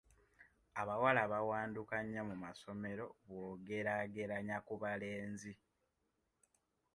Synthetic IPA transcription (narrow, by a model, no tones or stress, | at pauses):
aβawalaβawaːndukaɲːamumaso̞me̞ɾo̞βwoːɡe̞ɾaɡe̞ɾaɲakuβale̞ːnzi